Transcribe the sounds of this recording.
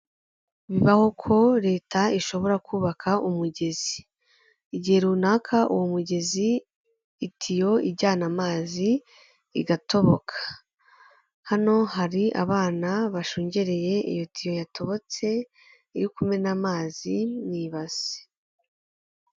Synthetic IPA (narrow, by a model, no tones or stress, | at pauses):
βiβaho̞kʰo̞ɾe̞ːtaiʃo̞βo̞ɾakuːβakʰaʔumuɟe̞zi | iɟihe̞ɾunaːkʰaʔṵwomuɟe̞ziː | tʰijo̞ibɟaːnamaːziː | ɡatʰo̞βo̞kʰḁ | hano̞haɾiʔa̰βaːnaβaʃuːɲɟe̞ɾe̞je̞ḭjo̞tʰijojatʰo̞βo̞t͡se̞ | iɾikume̞namaːziniβaz̥e̥